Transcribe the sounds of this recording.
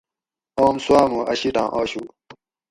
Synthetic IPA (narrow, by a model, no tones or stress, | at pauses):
oːmsuaːmoːʔɐɕiʈã̰ːʔoːɕuː